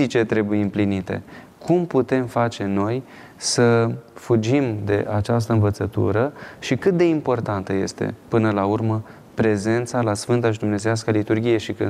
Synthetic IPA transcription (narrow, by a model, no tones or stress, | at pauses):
it͡ʃe̞t̪ɾe̞bujeɨmplinit̪e̞̰ | kʰumput̪e̞mfat͡ʃe̞no̞j | səfud͡ʒimd̪e̞̰ʔat͡ʃas̬t̪əɨnvət̪sət̪ṵɾəʃikɨt̪̚d̪e̞impo̞rt̪ant̪əje̞̰st̪e̞̰pɨnəlaurmə | pɾe̞ze̞nt̪salasfɨnt̪̬aʃ̬id̪umne̞zeaskalit̪urɡʲije̞ʃikɨ